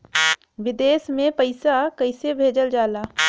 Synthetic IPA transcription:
ʋɪd̪eːsmẽpəɪsakəɪsebʱeːd͡ʒəld͡ʒaːlaː

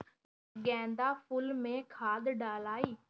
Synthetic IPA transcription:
ɡɛ̃ːnd̪aːpʊlmẽkʰaːd̪ɖaːlaːiː

